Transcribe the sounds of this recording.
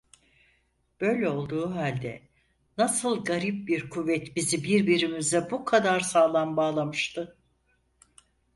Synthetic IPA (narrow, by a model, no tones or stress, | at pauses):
b̥ø̞jlʲɛo̞lˠd̪uːɦalʲd̪ɛ̰ | nasɯlˠɡaɾip̚biɾkʰuvːɛt̪bizibiɾbiɾimizd̪ɛbukʰad̪aɾsaːlˠanbaːlˠamɯʃt̪ʰɯ